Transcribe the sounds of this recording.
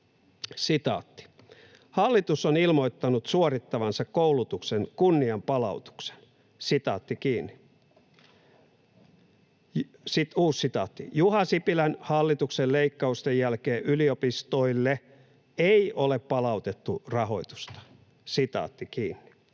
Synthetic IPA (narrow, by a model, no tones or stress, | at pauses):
sit̪ɑ̰ːt̪ːi̥ | hɑlːit̪usonilmo̞it̪ːɑnut̪suorit̪ːɑʋɑnsɑkkoulut̪uksenkunːiɑmpɑlɑ̰ut̪u̥kse̥n | sit̪ɑ̰ːt̪ːikiːnːi | sit̪uːsit̪ɑ̰ːt̪ːḭjuhɑsipilænhɑlːit̪ukselleikːɑust̪ejjælkeːʔyliopist̪oilːe | eioleppɑlɑut̪et̪ːurɑɦo̞̰it̪u̥st̪ɑ̥ | sit̪ɑ̰ːt̪ːikiːnːi̥